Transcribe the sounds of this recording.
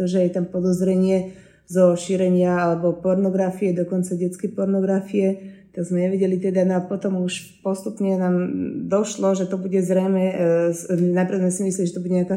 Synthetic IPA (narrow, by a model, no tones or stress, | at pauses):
ɔʒɛjɛt̪ampɔd̪ɔzɾɛɲɪɛ | zɔʃiɾɛɲɪaalɛbɔpɔɾnɔɡɾafiɛd̪ɔkɔnt͡saɟɛt͡skɛjpɔɾnɔɡɾafiɛt̪aɡzmɛɲɛʋɛɟɛlit̪ɛd̪anɔapɔt̪ɔmuʃ | pɔst̪upɲɛnaːmd̪ɔʃlɔʒɛt̪ɔbuɟɛzɾɛjmɛ | napɾad̪zmɛsimislɛiliʒɛt̪ɔbuɟɛɲaka